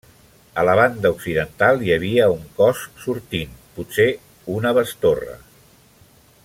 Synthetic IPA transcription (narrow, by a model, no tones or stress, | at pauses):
ələβand̪əuksiðənt̪alˠjəβiəuŋkɔssuɾt̪inputse | unəβəst̪orə̰